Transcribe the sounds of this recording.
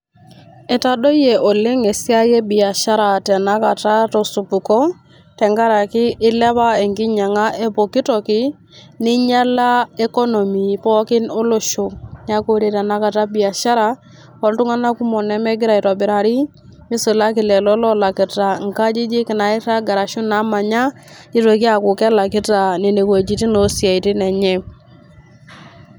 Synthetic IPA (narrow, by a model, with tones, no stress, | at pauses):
ɛ˨ta˨dɔ˦je˨ʔɔ˨le˦ŋe˨si˦a˦je˦bi˨a˨ʃa˦ɾa˨tɛ˨na˦ka˨ta˦tɔ˨su˨pu˨kɔ˦ | tɛ˨ŋɡa˦ɾa˨kɪ˦ʔɪ˦lɛ˦βa˦e˨ŋɡɪ˦ɲa˨ŋa˦ʔe˦po˨ki˦tɔ˨kɪ˦ | nɪ˦ɲa˦la˦e˦kɔ˦no˨mi˨pɔ˦kɪ˦no˦lo˨ʃo˦ɲ˦a˦ko˦ɾe˨tɛ˨na˦ka˨ta˦bi˨a˨ʃa˦ɾa˦ | kɔ˦ltʊ˦ŋa˦na˦ku˦mɔ˨nɛ˦mɛ˦ɡɪ˦ɾa˨i˨tɔ˨bɪ˨ɾa˨ɾɪ˦ | mɪ˦sʊ˨la˦kɪ˨lɛ˨lɔ˦lɔ˦la˨kɪ˨ta˨ŋ˨ka˦d͡ʒɪ˦d͡ʒɪ˦kɪ˨na˨ɪ˦ta˦ɡa˨ɾa˨ʃʊ˦na˨˦ma˨ɲa˦ | ɪ˦to˨ki˦a˨kʊ˨kɛ˦la˨kɪ˦ta˨ne˨ne˨kwe˨d͡ʒi˦tɪ˦no˨˦sa˨i˨tɪ˦nɛ˨ɲɛ˦